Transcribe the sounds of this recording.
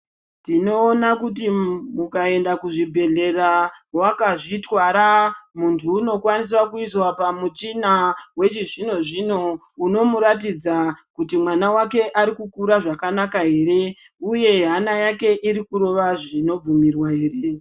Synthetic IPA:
tino̞ːnakut̬imukae̞ndakuʐibʱe̞ɮe̞rawakaʐitwaɾamuntʰuːno̞kwanis̬wakuiswapamut͡ʃinawe̞t͡ʃiʐinoʐino̞ | uno̞muɾatid͡zakutimwanawake̞ʔaɾikukuɾaʐakanakaɦe̞ːɾe̞uje̞ɦanajake̞ʔiɾikuɾo̞ʋaʐino̞b͡vumirwaɦe̞ːre̞

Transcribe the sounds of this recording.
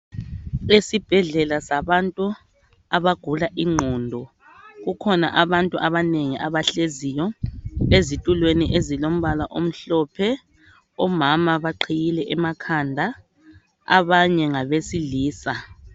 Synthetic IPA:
esib̥ʱɛɮɛlasaβantʼu | aβaɡ̥ʱulaʔiŋ͡ǃʱɔːndʱɔ | ɣukʰɔna̰ʔaβantʼuʔaβaneŋiʔaβaɬezijɔezitʼulweniʔezilom̩βalaʔom̩ɬɔpʰɛ | ɔmamaβaǃʰijilɛʔɛmakʰandʱa | a̰βaɲɛŋaβesiliːsa

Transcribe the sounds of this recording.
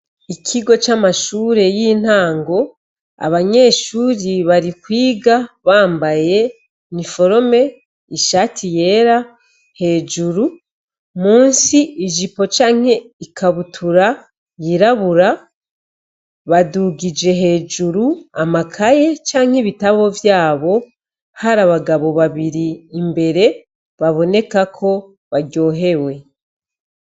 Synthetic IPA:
ikʰiɡo̞t͡ʃamaʃuːɾe̞jiːn̥haːŋɡo̞ | a̰βaɲe̞ːʃuːɾiβaɾikwiːɡaβaːmbaje̞ | nifo̞ɾo̞me̞ | iʃaːtʰije̞ːɾa | he̞ːd͡ʒuɾu | muːnsiiʒipo̞t͡ʃaːŋ̥he̞ikʰaβutʰuɾa | jiɾaβuɾa | βaduɡid͡ʒe̞ɦe̞ːd͡ʒuɾuamakʰaje̞t͡ʃaːŋ̥heβitaβo̞vjaːβo̞ | haɾaβaɡaβo̞βaβiɾiːmbe̞ɾe̞ | βaβo̞ne̞kakʰo̞ | βaɟo̞ːɦe̞we̞

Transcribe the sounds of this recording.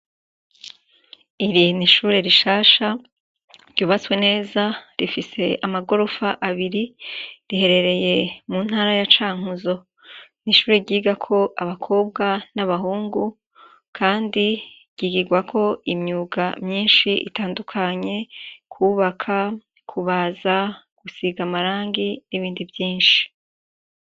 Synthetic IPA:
iɾiniʃuːɾe̞ɾiʃaːʃa | ɾɟ̥uːβat͡swe̞ne̞ːzaɾifise̞ʔamaɡo̞ɾo̞faʔaβiɾiɾihe̞ɾe̞ɾe̞je̞munhaːɾajat͡ʃaːŋ̥uzo̞ | niʃuːɾe̞ɾɟiːɡakʰo̞ʔaβakʰo̞ːbɡanaβaɦuːŋɡu | kʰaːndi | ɟ̥iɡiɡwakʰo̞imɲuːɡamɲiːnʃiʔḭtaːndukʰaɲe̞kʰuːβakʰa | kʰuβaza | ɡ̥usiɡamaɾaːŋɡiniβiːndivjiːnʃi̥

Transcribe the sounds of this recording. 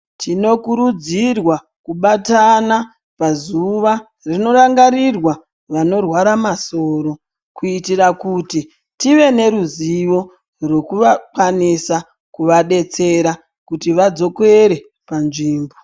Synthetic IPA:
tino̞kuɾud͡zirwa | kuɓatana | pazuʋa | rino̞raŋɡaɾirwa | ʋano̞rwaɾamaso̞ːɾo̞ | kuitirakuti | tiʋe̞ne̞ɾuziʋo̞ | rwo̞kuʋakwanisa | kuʋaɗe̞t͡se̞ɾa | kutiʋad͡zo̞koeɾe̞ | panʐiːmbo

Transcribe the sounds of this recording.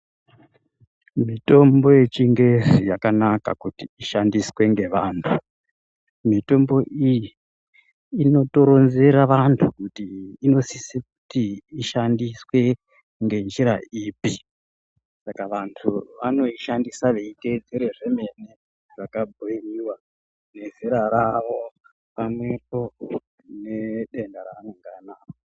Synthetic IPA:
mito̞mbo̞je̞t͡ʃiŋɡe̞zijakanaka̰kutiiʃandiswe̞ŋɡe̞ʋaːntʰu | mito̞mbo̞ʔijiː | no̞to̞ɾo̞nze̞ɾaʋantʰukutiːno̞sisiku̥tiːʃandiswe̞ | ŋɡe̞nd͡ʒiɾa̰iːpi | sakaʋantʰuʋano̞iʃandisaʋeite̞d͡zeɾeʐe̞me̞ne | ʐakabʱoiriwa | ne̞ziɾaɾaʋo̞ | pamwe̞po̞ | ne̞ɗe̞ndaɾaːneŋɡanaːkoo

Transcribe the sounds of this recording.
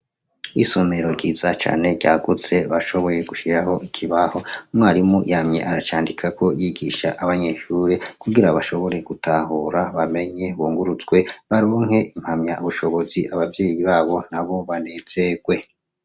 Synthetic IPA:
isome̞ɾo̞ɟɟiːzat͡ʃa̰ːne̞ɟa̰ːɡuze̞βaʃo̞βo̞je̞ɡuʃiɾaho̞ʔikʰiβaho̞umŋwaːɾimujamɲe̞̰ʔaɾat͡ʃaːndikʰakʰo̞jiɡiʃa̰ʔaβaɲe̞ʃuːɾe̞kuɡiɾaβaʃo̞βo̞ɾe̞ɡ̥utʰaɦuɾaβame̞ɲe̞βuːŋɡuɾut͡sɡwe̞βaɾoːŋhe̞ʔim̥hamɲauβuʃo̞βo̞ziʔaβavje̞ːjiβaːβo̞n̥aβo̞βane̞z̥eɡ̥we̞

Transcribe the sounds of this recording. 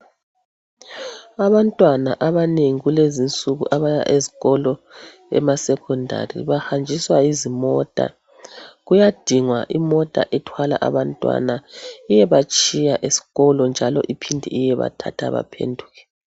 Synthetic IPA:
aβantʼwanaʔaβaneŋiɣulezint͡sʼuɣṵʔaβaja̰ʔeziɣɔlɔ | ɛ̰masɛkʰɔndʱa̰rḭβahand͡ʒʱiswaizimɔtʼa̰ | ɣujad̥ʱiŋwaʔimɔtʼa̰ʔɛtʰwala̰ʔa̰βantʼwa̰naijɛβat͡ʃʼijaʔesi̥ɣɔlɔnd͡ʒʱalɔ̰ʔipʰindʱiijɛβa̰tʰatʰa̰βa̰pʰḛndʱuɣɛ̥

